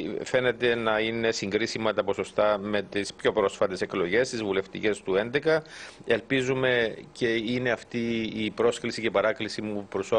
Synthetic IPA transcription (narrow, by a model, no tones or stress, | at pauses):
fe̞ne̞t̪e̞nɐine̞siŋɡɾisimɐt̪ɐpo̞so̞st̪ɐme̞t̪ispço̞pɾo̞sfɐt̪e̞se̞klo̞ʝe̞st̪izvule̞ft̪ḭce̞st̪ue̞nd̪e̞kɐelpizume̞ce̞ine̞ɐft̪iːpɾo̞sklisice̞pɐɾɐklisimupɾuso